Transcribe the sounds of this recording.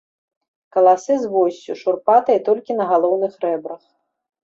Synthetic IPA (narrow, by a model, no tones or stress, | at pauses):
kɐlˠasɨzvɔsʲt͡sʲuʂurpat̪ɐit̪ɔlʲkʲinɐɣalˠɔwnɨxɾɛbɾɐx